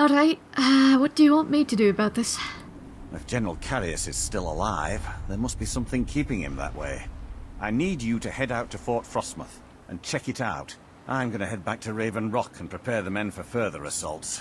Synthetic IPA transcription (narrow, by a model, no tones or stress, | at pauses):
ɔlˠɹaɪt̚ | ʌwʌt̚d̥ɨjɨwɑ̃nʔmitʰɨdɨːbaʊt̪̚ðɪs | ɨfd̥ʒ̥ɛnə˞l̩ˠkʰæɹiɨ̰sɨz̥stɪlˠə̰laɪvðə˞mʌst̚b̥isʌ̃mθɪ̃ŋkʰipɪ̃ŋɪ̰̃mðə̰ʔwḛɪʔaɪnid͡ʒɨɾɨhɛɾaʊtʰɨfɔɹtfɹɑsmə̰θ | ʔɨ̃nt͡ʃʰɛkɨɾaʊt | ʔã̰ɪ̃mɡʌnɨhɛd̚bæk̚tʰɨɹeɪvɨ̃nɹɑkʰə̃npʰɹ̥ɨpʰɛɹðɨmɛ̃nfə˞fɜ˞ðə̰˞ɨsʌ̰lˠts